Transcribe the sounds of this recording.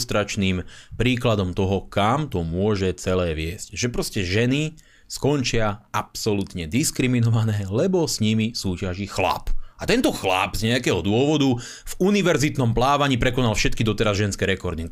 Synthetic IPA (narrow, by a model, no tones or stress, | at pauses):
st̪ɾat͡ʃniːmpɾiːklad̪ɔmt̪ɔɦɔkamt̪ɔmʊɔʒɛt͡sɛlɛːʋɪɛscʒɛpɾɔscɛʒɛni | skɔnt͡ʃɪaapsɔlut̪ɲɛd̪iskɾiminɔʋanɛːlɛbɔsɲimisuːcaʒixla̰pat̪ɛnt̪ɔxla̰bzɲɛakɛːɦɔd̪ʊɔʋɔd̪u | vuniʋɛɾzit̪nɔmplaːʋaɲipɾɛkɔnalfʃɛt̪̚kid̪ɔt̪ɛɾazʒɛnskɛɾɛkɔɾd̪i